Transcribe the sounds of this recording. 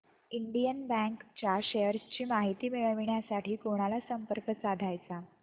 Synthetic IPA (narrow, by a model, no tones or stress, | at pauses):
iɳɖijənbæ̃ŋkt͡ɕaɕejəɾst͡ɕiːmaɦit̪iːmiɭʋɳjasaʈiːkoɽ̃alasəmpəɾkəsad̪ʱajt͡sa